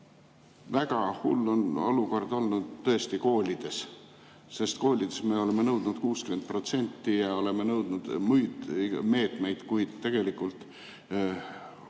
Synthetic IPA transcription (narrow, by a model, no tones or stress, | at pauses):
væɡ̥ɑhṵlːo̞nɑ̰luko̞rd̪̥o̞lnud̪t̪ːɤ̞e̞st̪iko̞ːlʲid̪̥e̞s | se̞st̪ko̞ːlʲid̪̥esme̞ːo̞le̞menɤwd̪̥nud̪̥kuːskyment̪̚pro̞t̪se̞nʲt̪ːijɑo̞le̞menɤwd̪nud̪̥mujd̪me̞ːt̪me̞jd̪̥kujd̪̥t̪ːe̞ɡ̥e̞likːˑult̪ˑ